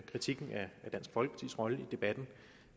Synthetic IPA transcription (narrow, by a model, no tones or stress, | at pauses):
kʰʁit͡sʰiɡ̥n̩æd̥æn̰sɡ̥fɒlɡ̥ə̥pʰɑ̥t͡sʰḭsʁɒ̽ləid̥e̝b̥æd̥n̩